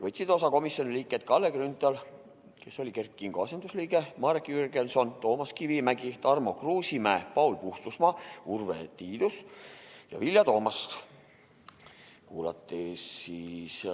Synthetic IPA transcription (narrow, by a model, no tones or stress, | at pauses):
vɤjt̪sid̪o̞sɑko̞misjo̞niliːkːˑet̪̚kɑlːekrynt̪ɑl | ke̞so̞lʲikerkːiŋɡ̥oɑsend̪usliːɡe̞mɑɾekyrɡenso̞nt̪o̞ːmɑskivimæɡ̥it̪ɑrmo̞kruːsʲimæːpɑulpuht̪usmɑːurvḛt̪iːd̪̥usjɑ̰vilʲjɑt̪o̞ːmɑst̪ | kuːlɑ̰t̪ːisis